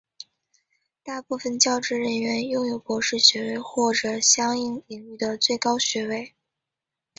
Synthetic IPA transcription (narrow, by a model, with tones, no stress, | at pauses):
t̪a˥˧pu˥˩fə˨˩nt͡ɕjɑ˥˧ʊʈ͡ʂɻ̩˥˩ɻə˧˥nɥɛ˧˥njʊ˥˩ŋjo˨˩ʊpwɔ˧˥ʂɻ̩˥˩ɕɥɛ˧˥we˥˧ɪxwɔ˥˩ʈ͡ʂɤ˨˩ɕjɑ˥ŋi˥˩ŋi˨˩ŋy˥˩d̪ə˩t͡swe˥˩ɪkɑ˥ʊɕɥɛ˧˥we˥˩ɪ